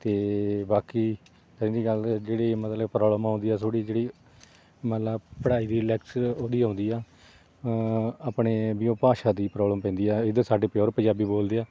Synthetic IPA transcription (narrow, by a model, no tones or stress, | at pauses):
t̪eːbaːkiː | k̪əɾɪ̃ːd̪iːɡəld͡ʒeːɽeːmət̪ləbpɾɔːbləmãːnd̪iːaːsoːɽiːd͡ʒeːɽiː | mət̪ləbpəɽaːiːd̪iːlɛksoːd̪iːãːʊnd̪iːaː | aːpɳeːbiõːpaːʃaːd̪iːpɾɔːbləmpɛ̃ːnd̪iːaːɪd̪əsaːɖeːpjoːɾpəd͡ʒaːbiːboːld̪eːaː